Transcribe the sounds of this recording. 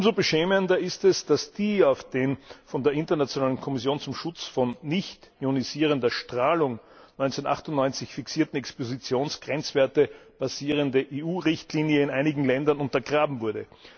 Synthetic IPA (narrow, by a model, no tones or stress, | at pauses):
ʔʊmzobəʃɛːməndɐɪstɛsd̥asd̥iːaʊfd̥eːnfɔndeːɐɪntɐnat͡sjonaːlənkʰɔmɪsjoːnt͡sʊmʃʊt͡sfɔnːɪçtioniziːʁ̞əndɐʃtʁ̥aːlʊŋ | nɔʏnt͡sɛnʔa̰χtʊntnɔʏnt͡sɪçfɪksiːɐtn̩ɛkspozit͡sjoːnsɡ̥ʁɛnt͡sv̥eːɐtəb̥aziːʁ̞əndəʔeːuːʁɪçtliːnjəɪnʔaɪnɪɡŋ̩lɛndɐnʊntɐɡʁaːbm̩vʊɐdə̰